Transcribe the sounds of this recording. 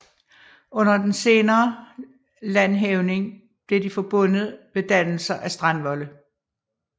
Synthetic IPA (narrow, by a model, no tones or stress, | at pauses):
ɔ̽n̰ɐd̥ense̝ːnɐː | lænɦeʊne̝ŋ | b̥leɐd̥ifɒ̽b̥ɔ̽n̰ð̩ˠʋed̥æn̰l̩sɐʔæsd̥ʁɑ̈nʋɒ̽lə